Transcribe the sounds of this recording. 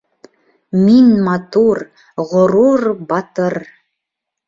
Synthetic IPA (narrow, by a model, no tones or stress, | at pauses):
minmɑt̪ur | ʁŏɾurbɑt̪ər